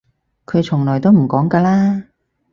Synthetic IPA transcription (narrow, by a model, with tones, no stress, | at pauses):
kʰɵ˨˧ɥt͡ʃʰʊ˨˩ŋlɔː˨˩jt̪̬wm̩˨˩kɔː˨˥ŋkaː˧laː˥